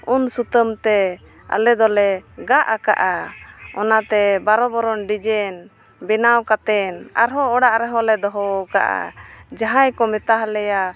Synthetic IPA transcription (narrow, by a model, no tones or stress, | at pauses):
unsut̪əmt̪ɛ | a̰lɛd̪ɔlɛɡaʔakaʔaɔnat̪ɛbaɾɔbɔɾɔnɖid͡ʒɛn | bɛnawkat̪ɛna̰ɾɦɔɔɽaʔɾɛɦɔ̃lɛd̪ɔɦɔka̰ʔa̰d͡ʒaɦajkɔmɛt̪aɦlɛja